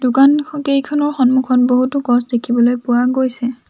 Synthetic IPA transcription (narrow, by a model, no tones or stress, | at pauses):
d̥ʊkankejkʰɔnɔɹxɔnmukʰɔnboɦutʊkɔsdekʰibɔlojpʊwaɡojsɛ